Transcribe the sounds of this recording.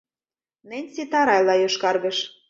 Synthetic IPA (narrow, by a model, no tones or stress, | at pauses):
nĕnʲsit̪ɑɾɑjlɑjoʃkɑrɣɤ̆ʃ